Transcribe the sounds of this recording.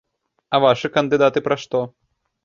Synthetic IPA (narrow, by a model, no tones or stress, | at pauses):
ɐvaʂɨkɐnd̪ɨd̪at̪ɨpɾɐʂt̪ɔ